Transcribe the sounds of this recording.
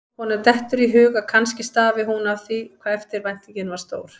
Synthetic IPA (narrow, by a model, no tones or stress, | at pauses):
hɔnaɾt̪ɛht̪ʏɾiɦʏːɣakʰanscɪst̪aːvɪɦunavθiɔkʰvaːðɛft̪ɪɾvajn̥t̪ɪcɪnvḁst̪oːwɾ̥